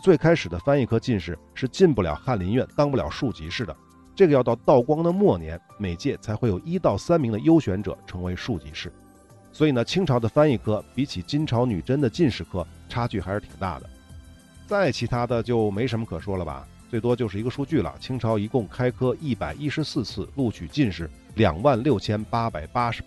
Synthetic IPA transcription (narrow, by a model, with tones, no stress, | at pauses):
t͡swe˥˩ɪkʰa˥ɪʂɻ̩˨˩d̪ə˦fa˥ni˥˩kʰɤ˥t͡ɕi˥˧nʂɻ̩˥˩ʂɻ̩˥˧t͡ɕi˥˧npu˥˩ljɑ̰˨˩ʊxa˥˩nli˧˥nɥɛ˥˧˩nt̪ɑ˥ŋp̬u˥˩ljɑ̰˨˩ʊʂu˥˩t͡ɕi˧˥ʂɻ̩˥˩d̪ə̰˩ | ʈ͡ʂɤ˥˩ɡəjt̪ɑ˥˧ʊt̪ɑ˥˩ʊkwɑ˥ŋd̪ə˨mwɔ˥˩njɛ̰˧˥n | me˨˩ɪt͡ɕjɛ˥˩t͡sʰa˧˥ɪxwe˥˩ɪjo˨˩ʊi˥t̪ɑ˥˩ʊsa˥nmi˧˥ŋd̪ə˧jo˥ʊɕɥɛ˧˥nʈ͡ʂɤ̰˨˩˦ʈ͡ʂʰɤ˧˥ŋwe˧˥ɪʂu˥˩t͡ɕḭ˧˥ʂɻ̩˥˩ | swɔ˧˥i˨˩nə˦t͡ɕʰi˥ŋʈ͡ʂʰɑ˧˥ʊd̪ə˧fa˥ni˥˩kʰɤ˥pi˧˥t͡ɕʰi˨˩t͡ɕi˥nʈ͡ʂʰɑ˧˥ʊny˨˩ʈ͡ʂə˥nd̪ə˨t͡ɕi˥˧nʂɻ̩˥˩kʰɤ˥ʈ͡ʂʰa˥t͡ɕy˥˩xa˧˥ɪʂɻ̩˥˩t̪ʰi̥̰˨˩ŋt̪a̰˥˩d̪ə̰˩ | t͡sa˥˩ɪt͡ɕʰi˧˥t̪ʰa˥d̪ə˨t͡ɕjo˥˩ʊme˧˥ɪʂə˧˥mə˧kʰɤ˨˩ʂwɔ˥lə˨bɐ̰˩ | t͡swe˥˩ɪt̪wɔ˥t͡ɕjo˥˧ʊʂɻ̩˥˩i˧˥ɡə˧ʂu˥˧t͡ɕy˥˩lə̰˩t͡ɕʰi˥ŋʈ͡ʂʰɑ˧˥ʊi˧˥kʊ˥˩ŋkʰa˥ɪkʰɤ˥i˥˩pa˨˩ɪʔi˥ʂɻ̩˧˥sɹ̩˥˧t͡sʰɹ̩˥˧lu˥˩t͡ɕʰy˨˩t͡ɕi˥˧nʂɻ̩˥˩ | ljɑ̰˨˩ŋwa˥˧nljo˥˩ʊt͡ɕʰjɛ˥npa˥pa˨˩ɪpa˥ʂɻ̩˧˥